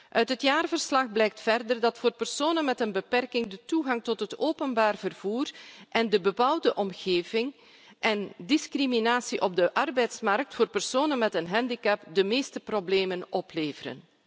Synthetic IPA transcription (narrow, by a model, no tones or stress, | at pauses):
ʔœɥtɦətjaːrvərslɑxblɛjk̚tfɛrdərdɑtfoːrpərsoːnənmɛtənbəpɛrkɪŋdətuɣɑŋtɔtɦətoːpənbaːrvərv̥uːrʔɛndəbəpawdəʔɔmɣeːvɪŋ | ʔɛndiskriminaːsiʔɔb̚dəʔɑrbɛjtsmɑrk̚tfoːrpərsoːnənmɛtənɦɛndikɛpdəmeːstəprobleːmənɔpleːvəɾə̰n